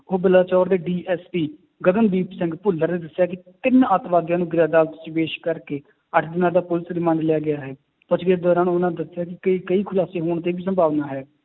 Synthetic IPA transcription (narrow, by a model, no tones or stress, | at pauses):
oːbɪlaːt͡ʃɔːɾd̪eːɖiːʔɛːspiː | ɡəd̪ənbiːpsɛ̃ŋɡpʊlːəɾnẽːd̪əsːjaːkɪt̪ɪnət̪ʋaːd̪jãːnũːɡɪɾaːd̪aːlt̪siʋeːʃkəɾkeː | əʈʰd̪ɪnaːd̪aːpʊlɪsɾɪmãːɳɖlɪjaːɡɪjaːɦɛː | pʊt͡ʃɡd̪ɔːɾãːnʊnãːd̪əsːɪjaːkɪkəiːkəiːkʰʊlaːseːɦoːɳt̪eːbiːs̬əmbʱaːʋnaːɦɛː